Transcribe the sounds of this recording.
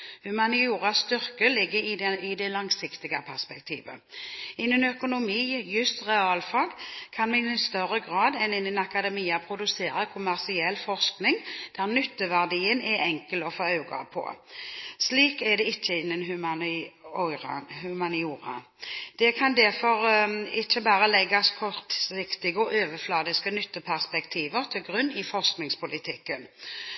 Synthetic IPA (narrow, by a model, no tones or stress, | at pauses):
hʉmɑnɪuːʁɑsst̪ʏʁkəlɪɡːəɾɪɪd̪ɛlɑŋsɪkt̪ɪɡəpʰæʁspɛkt̪ʰḭːʋə̰ɪnːənœkʊnʊmiːjʉst̪ʁɛɑːlfɑːɡkʰɑnmɛnɪst̪œɾəɡʁɑːd̪ɛnɪnːənɑkɑd̪ɛmiːɑpʰɾʊd̪ʉseːɾəkʰʊmæʁsɪɛlːfɔʁsknɪŋd̪̥æʁnʏt̪ːəʋæʁd̪iːənɛɛŋkəlɔfoːɑʉɡɑ̰pʰɔ̰ | sliːkɛd̪ɛɪt͡ʃːəɪnːənɦʉ | hʉmɑnɪuːʁɑ̰ | d̪̥ɛkʰɑnd̪æʁfɔʁɪt͡ʃːəbæːɾəlɛɡːɑskʰɔt̪sɪkt̪ɪɡəɔʔøːʋəflɑːd̪ɪskənʏt̪ːəpʰæʁspɛkt̪ʰiːʋəʁt̪ʰɪlɡʁʉnːɪfɔʁsknɪŋspʊlɪt̪ʰɪkːən